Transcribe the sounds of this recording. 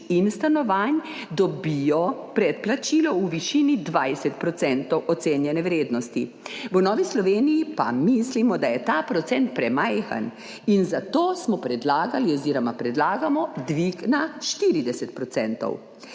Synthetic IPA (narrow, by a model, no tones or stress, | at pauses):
inst̪anɔʋand̪ɔbijɔpɾɛt̪plat͡ʃiːlɔuʋiʃinid̪ʋajsɛt̪̚pɾɔt̪sɛnt̪ɔwʔɔt̪seːnjɛnɛʋɾeːd̪nɔst̪i | ʋənɔːʋislɔʋeːnijipa̰mislimɔd̪ajɛt̪aːpɾɔt̪sɛnt̪̚pɾɛmajxa̰n | inzat̪oːsmɔpɾɛd̪laːɡaliɔziːɾɔmapɾɛd̪laːɡamɔd̪ʋiɡnaʃt̪iɾid̪ɛsɛt̪̚pɾɔt̪sɛnt̪ɔ̰w